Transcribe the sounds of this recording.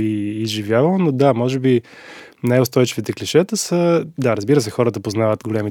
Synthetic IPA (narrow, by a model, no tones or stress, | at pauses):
iːzʒivjavəlˠnod̪amɔʒɛbi | najʊst̪ɔjt͡ʃivit̪ɛkliʃɛt̪əsəd̪aɾəzbiɾəs̬ɛxɔɾət̪əpoznavət̪ɡolʲɛmi